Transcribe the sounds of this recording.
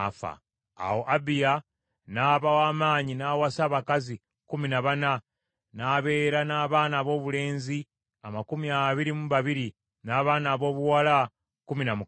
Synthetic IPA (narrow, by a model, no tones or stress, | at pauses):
fa̰ | a̰woʔabija | naːβawaːmaːɲinaːwasaβakazi | kuminaβana | naːβe̞ːɾanaːβaːnaβo̞ːβule̞ːnzi | amakumiaβiɾimuβaβiɾi | naːβaːnaːβo̞ːβuwala | kuminamu